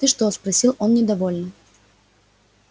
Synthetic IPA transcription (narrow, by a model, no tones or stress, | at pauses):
t̪ɨʂt̪ospɾɐsʲilˠʔɔnnʲɪd̪ɐvolʲnə